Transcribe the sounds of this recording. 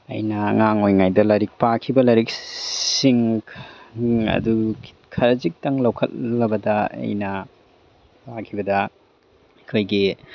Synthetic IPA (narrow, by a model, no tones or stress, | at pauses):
ɐ̰jnɐŋaŋojŋajdɐlɐɾik̚pakʰibɐlɐɾik̚siŋʰ | ɐ̰du | kʰɐɾɐzik̚tɐŋlɐwkʰɐt̚lɐbɐdɐɐ̰jnɐ | pakʰibɐdɐ | ɐkʰojɡi